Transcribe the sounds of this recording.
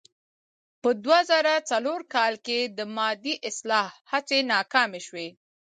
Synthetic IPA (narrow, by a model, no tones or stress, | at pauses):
pəd̪wazaɾat͡saloɾkɑlked̪əmɑd̪iʔɪslɑhhat͡senɑkɑmeʃwe